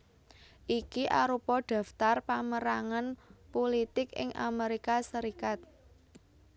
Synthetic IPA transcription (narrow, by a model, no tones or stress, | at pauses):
ʔikiʔaɾupɔɖ̪̥ä̤ft̪arpaməɾaŋanpolit̪ɪkɪ̰ŋʔa̰meɾikasəɾikat̪̚